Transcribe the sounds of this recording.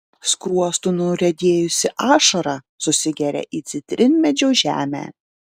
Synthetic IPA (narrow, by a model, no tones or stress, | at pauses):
skɾuɔst̪unʊɾʲɛd̪ʲeːjʊsʲɪʔɑːʃɐɾɑ | sʊsʲɪɡʲɛɾʲɛ̰ʔiːt̪sʲɪt̪ʲɾʲʔɪnʲmʲɛd͡ʒʲoːʒʲæ̰ːmʲæ̰ː